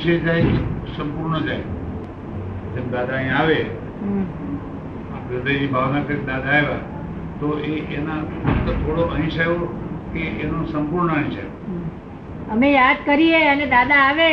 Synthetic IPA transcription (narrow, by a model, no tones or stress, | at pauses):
ʃʰed͡ʒajsəmpuɾɳəd͡ʒaj | d͡ʒ̪emd̪ad̪aəɦĩaʋe | ɦ | a̰pɾəd̪əd͡ʒibʱaʋmãk̪ɾik̚d̪ad̪aɦeʋa | t̪oeʔenat̪ət̪ʰoɽoʔəɦĩʃajʋokeenõsəmpuɾɳəəɦĩʃa̰joɦ | əmejad̪kəɾieəned̪ad̪aːʋe